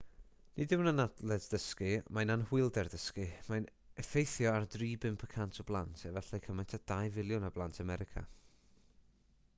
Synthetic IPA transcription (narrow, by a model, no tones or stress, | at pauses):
nɪdɪwnanadlˠɛdd̥əskɨmananhʊɨlˠdɛrdəskɨmajnɛfejθjɔardriːbɪmpʰəkʰantʰɔblˠantʰɛvɛɬɛkʰəmajntʰad̥ajvɪlˠjʊnablˠantʰamɛɾɪkʰa̰